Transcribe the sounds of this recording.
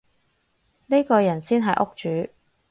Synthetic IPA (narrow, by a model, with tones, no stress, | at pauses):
ne˥kɔː˧jɐ˨˩nsiː˥nɦɐ˨jʔʊ˥k̚t͡ʃyː˨˥